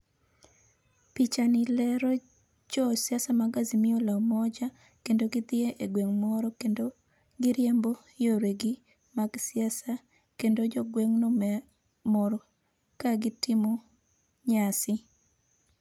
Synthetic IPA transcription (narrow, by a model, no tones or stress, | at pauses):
pit͡ʃanɪlɛɾɔ | d͡ʒɔsjasamaɡazimɪolamɔd͡ʒa | kendoɡɪt̪ɪeʔeɡweŋmɔɾɔkendo | ɡɪɾjembo | joɾeɡi | maɡsɪasa | kendod͡ʒɔɡweŋnɔmɛ | mɔɾɔ | kaɡɪtɪmo | ɲasɪ